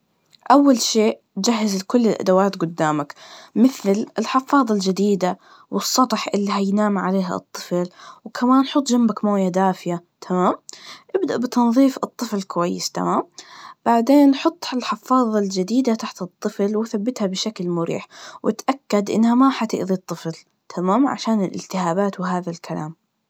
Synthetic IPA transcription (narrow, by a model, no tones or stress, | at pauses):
ʔawːalʃeːʔ | d͡ʒaɦːɪzlkʊlːɪlʔa̰d̪awaːt̪ɡʊd̪ːaːmakmɪθlɪlħɪfɑːðˤɑld͡ʒɪd̪iːd̪a | wɨsˤːɑt̪ˤħʔɪlːiɦajnaːmʕaleːɦa̰ɨ̰t̪ˤːɨflwkʰamaːnħʊt̪ˤːd͡ʒambakmoːjad̪aːfɪjat̪ʰamaːmʔɪbd̪aʔbɪt̪ɑnðˤiːfɨt̪ˤːɨflɪkʊwajːɪ̰st̪a̰maːmb̥aʕd̪eːnħʊt̪ˤːɪlħɪfɑːðˤɑld͡ʒɪd̪iːd̪at̪aħt̪ɨt̪ˤːɨflwɪθabːɪt̪habɪʃaklmʊɾḭːħwʔɪ̰t̪ʔakːad̪ʔɪ̰nːhamaħat̪ɪ̰ʔðit̪ˤːɨfl | t̪ʰamaːmʕa̰ʃaːnɪlʔɪ̰lt̪ɪhaːbaːt̪wɪɦaːðalkʰala̰ːm